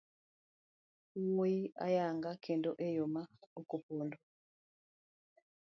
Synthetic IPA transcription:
woia̰jaŋɡakendoʔejomaokopondo

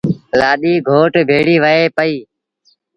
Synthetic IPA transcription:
laːɗiːɡʱoːʈbʱeːɽiːʋəeːpəiː

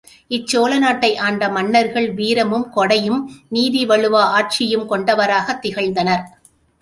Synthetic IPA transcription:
ʔɪt͡ʃːoːlɐnaːʈːɐɪʔaːɳɖɐmɐnːɐɾɣɐɭʋiːɾɐmɯmkɔɽɐjɯmniːðiʋɐɭɯʋaaːʈ̚t͡ʃɪjɯmkɔɳɖɐʋɐɾaːɣɐt̪ːɪɣɐɭnd̪ɐnɐɾ

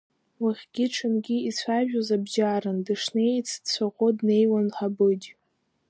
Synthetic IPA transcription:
waχʲɡʲɪʈ͡ʂʰɨnɡʲiit͡sʷʰaʒᶣozabʒaːɾɨndɨʂnet͡sʰdt͡sʷʰaqʷʼodne̞jwanħabɨd͡ʒ

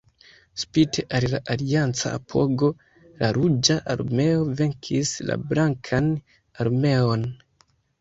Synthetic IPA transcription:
spitʰeʔalilaʔaliant͡sa̰ːpʰo̞ɡo̞ | laɾud͡ʒaʔaɾme̞o̞ve̞ŋkʰisla̰blaŋkʰan | aɾme̞o̞n

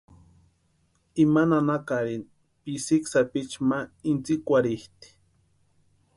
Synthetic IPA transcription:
imananakaɾin | pisiksapit͡ʃmaint͡sikʷaɾiht̪i̥

